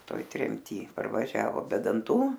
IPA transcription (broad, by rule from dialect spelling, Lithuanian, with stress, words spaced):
ˈtoːj tʲrʲɛmʲˈtʲiː pɐrʋɐˈʒʲæːʋoː bʲɛ dɐnˈtuː